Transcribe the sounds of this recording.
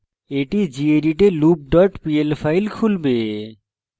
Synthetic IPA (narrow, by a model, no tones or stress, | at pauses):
eʈid͡ʑieɾiʈelup̚ɖɔʈpielpʰailkʰulbe